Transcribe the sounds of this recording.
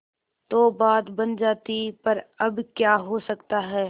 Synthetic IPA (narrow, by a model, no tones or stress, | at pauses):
t̪oːbaːd̪bɐnd͡ʒaːt̪ipɐɾɐbkjaːɦosɐkt̪aɦɛː